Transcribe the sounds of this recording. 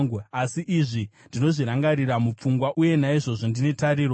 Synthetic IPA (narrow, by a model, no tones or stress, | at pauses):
ɡasiʔiʐindino̞ʐiɾaŋɡaɾiɾamup͡fuŋɡwaʔuje̞naiʐo̞ʐondine̞taɾiːɾo